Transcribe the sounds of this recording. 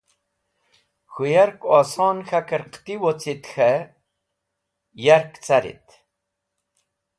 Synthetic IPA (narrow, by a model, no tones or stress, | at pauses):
xujaɾkɔsɑːnxakəɾqt̪iwot͡sit̪xə | jaɾkt͡saɾḭt̪